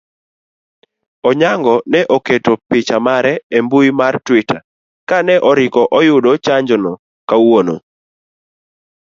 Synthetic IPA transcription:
ɔɲaŋɡɔnɛʔoketopɪt͡ʃamaɾɛembuimartwɪta̰ | kanɛʔɔɾɪkɔʔɔjʊdot͡ʃaɲd͡ʒɔnɔ | kawono̰

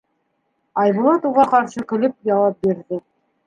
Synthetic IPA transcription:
ɑjβɤ̆lˠɑt̪uʁɑqɑɾʃɤkɘ̆lɘp̚jɑwɑp̚biɾðɘ

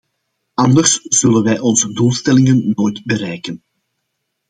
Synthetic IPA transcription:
ɑnd̪ərsz̥ɵlənʋɛjʔɔnzəduːlˠstɛlɪŋənːoːjtbəɾɛjkən

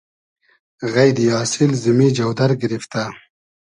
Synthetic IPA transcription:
ɣajd̪ijɑːsɪlzumid͡ʒawd̪aɾɡɪɾift̪a

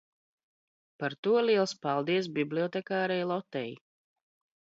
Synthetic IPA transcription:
paɾt̪uɔliɛlˠspalˠd̪iɛs̬biblʲiɔt̪ɛkaːɾɛjlˠɔt̪ɛj

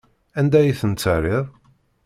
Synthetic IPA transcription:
ænd̪æjiθənt͡sːərɪðˤ

